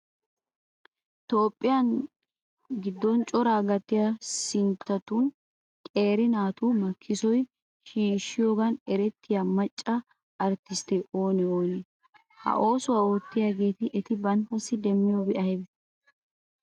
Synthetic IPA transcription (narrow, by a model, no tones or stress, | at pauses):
t̪o̞ːpʼːɪjɐn | ɡɪd̪ːɔnt͡ʃʼɔɾaːɡɐt̪ːɪjɐsɪnt̪ːɐt̪un | kʼe̞ːɾɪnaːt̪umɐkʰːɪsɔj | ʃiːʃːɪjoːɡɐnɛɾɛt̪ːɪjɐmɐt͡ʃʼːɐ | ʔɐɾt̪ːɪst̪ɛʔo̞ːnɛoːnɛ | hɐ̰ʔo̞ːsʊwɐoːt̪ːɪjaɡe̞ːt̪ɪʔɛt̪ɪbɐnt̪ːɐsːɪd̪ɛmːɪjobɛʔɐjbɛ